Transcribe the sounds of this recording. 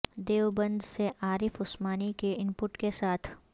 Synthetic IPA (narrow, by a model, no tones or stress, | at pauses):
d̪eːʋbɐ̃nd̪seʔaːɾɪfʊsmaːnikeɪmpʊʈkesaːt̪ʰ